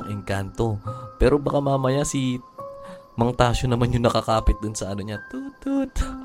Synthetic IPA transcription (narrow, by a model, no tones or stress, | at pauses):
ŋʔɪŋkant̪o̞pɛːɾobɐkamamɐjasi | mɐŋt̪aːʃonɐmanjʊŋnɐkɐkaːpɪt̪̚d̪ʊnsɐʔɐnoɲat̪ut̪ut̪